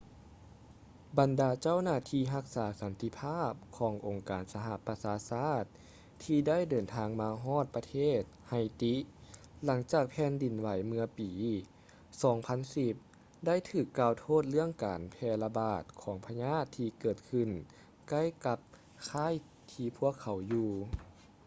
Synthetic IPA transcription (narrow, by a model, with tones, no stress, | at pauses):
ba˨˩ndaː˨˧t͡ɕa˥˩˨wnaː˧˩t̪ʰiː˧ɦa˧˥k̚saː˩˦sa˨˦nt̪i˧˥pʰaː˥˩p̚kʰɔː˩˦ŋʔo˨˩ŋkaː˨˩nsa˧ɦa˧˨ʔpa˧saː˨˧˦saː˥˩t̪̚ʰː | iː˧da˥˩˨jdɤː˨˩nt̪ʰaː˧ŋmaː˧ɦɔː˥˩t̪̚pa˧t̪ʰeː˥˩t̪̚ha˧˩jt̪i˧˥ | la˩˦ŋt͡ɕaː˨˩k̚pʰɛː˧˥ndi˨˩nwa˨˦jmɯ˧əpiː˨ | sɔː˩˦ŋpʰa˧˥nsi˧˩p̚ | da˥˩jt̪ʰɯː˧˩kːaː˧wt̪ʰoː˥˩t̪̚lɯ˥˩əŋkaː˨npʰɛː˧la˧baː˨˩t̪̚kʰɔː˩˦ŋpʰa˧ɲaː˥˩t̪ʰːiː˧kɤː˧˩t̪̚kʰɯ˧˩n | ka˥˩jka˧p̚ | kʰaː˧˥˨j | t̪ʰiː˧pʰu˥˩əkʰːa˨˦wjuː˧